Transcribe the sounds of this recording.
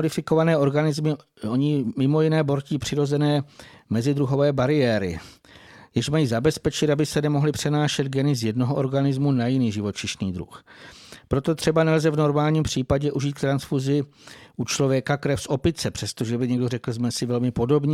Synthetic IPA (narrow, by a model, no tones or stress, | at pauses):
dɪfɪko̞vanɛːʔo̞ɾɡanɪzmɪ | oɲɪmɪmo̞jɪnɛːbo̞ɾciːpr̝̥ɪɾo̞zɛnɛːmɛzɪd̪ɾuɦo̞vɛːbaɾɪjɛːɾɪ̰ | jɛʃmajiːzabɛspɛt͡ʃɪt̪abɪsɛnɛmo̞ɦlɪpr̝̥ɛnaːʃɛd̪ɡɛnɪzjɛdno̞ɦoʔo̞ɾɡanɪzmunajɪniːʒɪvo̞t͡ʃɪʃniːd̪ɾṵxpɾo̞t̪ot̪r̝̥ɛbanɛlzɛvno̞ɾmaːlɲiːmpr̥iːpaɟɛʔuʒiːt̪k̚t̪ɾansfuzɪ | ʔut͡ʃlo̞vjɛkakɾɛfsʔo̞pɪt͡sɛpr̥ɛst̪oʒɛbɪɲɛɡdorɛkl̩zmɛsɪvɛlmɪpo̞do̞bɲiː